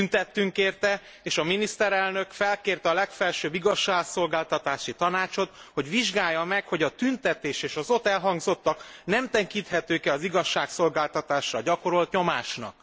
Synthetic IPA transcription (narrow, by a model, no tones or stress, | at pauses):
tynt̪ɛt̪ːyŋkeːrt̪ɛ | eːʃɒminist̪ɛɾɛlnø̞kfɛlkeːrt̪ɛɒlɛkfɛlʃøːbiɡɒʃːaːɡso̞lɡaːlt̪ɒt̪aːʃit̪ɒnaːt͡ʃo̞t̪ho̞ɟʋiʒɡaːjːɒmɛkho̞ɟɒt̪ynt̪ɛt̪eːʃeːʃɒzot̪ɛlɦɒŋɡzo̞t̪ːɒknɛmt̪ɛŋkint̪hɛt̪øːkɛɒziɡɒʃːaːkso̞lɡaːlt̪ɒt̪aːʃrɒɟɒkoɾo̞lt̪ɲo̞maːʃnɒ̰k